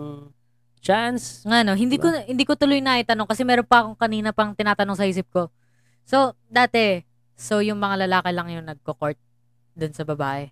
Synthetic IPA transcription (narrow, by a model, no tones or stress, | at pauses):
t͡ʃansŋɐno̞ɦɪnd̪iːkohɪnd̪iːkot̪ʊlojnɐʔɪt̪ɐno̞ŋkɐsɛmɛːɾonpɐɐko̞ŋkɐniːnɐpɐŋt̪ɪnaːt̪ɐnoŋs̬ɐʔiːs̬ɪp̚ko̞ | so̞ | d̪aːt̪ɛ | so̞jʊŋmɐŋalɐlaːkɪlɐŋjʊŋnɐɡ̚koko̞ɹt̪̚ | d̪ʊnsɐbɐbaːʔɛ